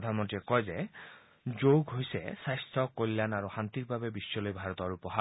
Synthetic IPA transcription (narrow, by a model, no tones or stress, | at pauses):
d̪ʱanmɔntiɛkɔjzɛ | zoɡɦojsɛ̰sajst̪ʰɔkolːanaɹuxant̪ikbabɛbɹisːɔlojbʱaɹɔt̪ɔaɹupɔɦa